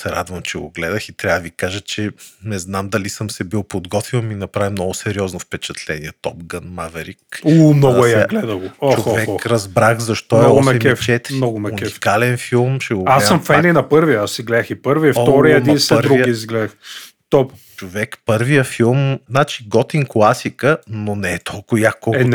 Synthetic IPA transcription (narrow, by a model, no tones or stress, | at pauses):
sɛɾad̪vɐmt͡ʃɛɡo̰ɡlɛd̪ɐxit̪ɾʲavvikaʒət͡ʃɛnɛznamd̪ɐlisəmsɛbilˠpod̪ɡɔt̪vilˠminɐpɾavimnɔɡʊsɛɾiɔznofpɛt͡ʃɐt̪lɛniɛt̪ɔpɡənmavɛɾikumnɔɡ̪ʊɛjaaɡlɛd̪ɐɡot͡ʃovɛkɾɐzbɾaxzɐʃt̪ɔɛɔɡsɛɛmɛft͡ʃɛt̪mnɔɡʊmɛunkɛifkalɛnfilˠmʃɛɡoasəmfɛnninɐpɤɾviəasːiɡlɛd̪əxipəɾviəfɔɾiəniɐnsəɾvɾuiiizɡlɛd̪ɐx | t̪ɔp | t͡ʃovɛkpɤɾvijəfilˠmznat͡ʃiɡɔt̪iŋklˠasikənonɛːt̪ʰɔlˠkʊjakːɔlˠn